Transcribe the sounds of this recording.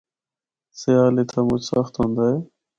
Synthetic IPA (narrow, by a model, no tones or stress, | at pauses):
seaːlet̪ʰaːmʊt͡ʃʰsəxt̪ɦõːnd̪aːeː